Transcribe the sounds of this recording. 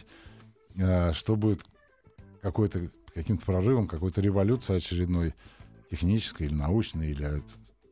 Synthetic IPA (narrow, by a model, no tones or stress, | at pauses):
əʂt̪o̞budʲɪt̪ | kɐko̞jt̪əkɐkʲimt̪əpɾɐrɨvəmkɐkojt̪əɾʲɪvɐlʲut̪sɨɪɐt͡ɕɪɾʲɪd̪no̞jtʲɪxnʲit͡ɕɪ̥skəjilʲɪnɐut͡ɕnɨjilʲɪɛt̪